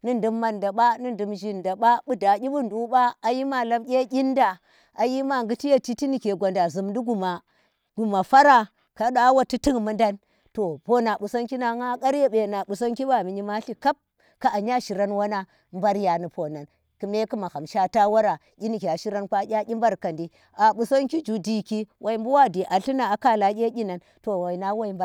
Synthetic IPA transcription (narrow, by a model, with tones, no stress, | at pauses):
ni˦ndu˦mːa˨nda˨ɓa˦nɨ˦n˨du˨mʒi˦nda˨ɓa˦ɓu˦da˨ɡʲi˦ɓu˦n˨du˦ɓa˦a˨ji˦ma˦la˦mkʲe˦kʲi˦nda˨ | a˨ji˦ma˨ŋɡu˦ti˦ja˦ti˦ti˦ni˨ke˨ɡʷa˨nda˨zu˨mdi˦ɡu˨ma˨ | ɡ̥u˨ma˨fa˦ɾa˦ | ka˨ɗa˦wa˦ti˦ti˦ŋmu˦nda˦n | to˨po˦na˨ɓu˨sa˦nki˦na˨ŋa˦ka˦ɾje˦ɓe˨na˨ɓu˨sa˦ŋki˦ɓa˦˨mi˨ɲi˦ma˦ɬi˦ka˦p̚ | ka˨a˨ɲa˦ʃi˨ɾa˦nwa˦na˦ | mba˦ɾja˨ni˨po˨na˨n | ku˨me˦ki˦ma˨ha˨mʃa˦ta˦wa˦ɾa˨ | kʲi˦ni˨kʲe˨a˨ʃi˦ɾa˦nkʷa˦kʲa˦ɡʲi˦mba˦ɾka˨ndi˦ | a˨ɓu˨so˦ŋki˦d͡ʒu˨di˨ki˦wʔa˨i˨˦mbu˦wa˦di˨ʔa˨ɬi˦na˨a˨ka˦la˨˦kʲe˦ɡʲi˦na˨n | to˨wa˨i˨na˦wa˦i˦mb